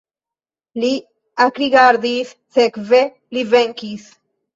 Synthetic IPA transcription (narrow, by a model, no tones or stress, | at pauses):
li | akɾiɡaɾd̪isːekve | liveŋkis